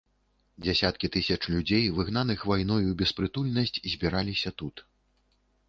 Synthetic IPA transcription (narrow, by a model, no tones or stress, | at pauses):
d͡zʲasʲat̪kʲit̪ɨsʲɐt͡ʂlʲud͡zʲejvɨɣnanɨxvajnɔjubʲɛspɾɨt̪ulʲnɐsʲt͡sʲzʲbʲiɾalʲisʲɐt̪ut̪